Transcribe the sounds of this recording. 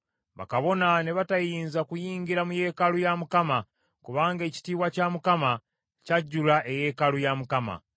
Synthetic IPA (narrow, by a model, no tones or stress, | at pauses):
βa̰kaβo̞nane̞βatajiːnzakujiːɲɡiɾamuje̞ːkalujamukama | kuβaːŋɡe̞ːci̥tiːwacamukama | caɟːulaʔe̞je̞ːkalujamukama̰